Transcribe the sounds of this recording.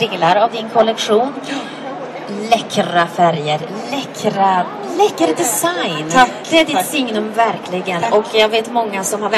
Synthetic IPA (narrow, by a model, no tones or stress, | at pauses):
ɪŋlaɾavd̪ɪnkʰɔlɛkɧuːn | lɛkʰɾafæɾjəɾ | lɛkʰɾa | lɛkːɾəd̪ɛsajn | d̪ɛdɪt̪sɪŋnɵmvæɾkʰlɪɡənʔɔkʰjaɡveːt̪mɔŋːasɔmhaɾvɛ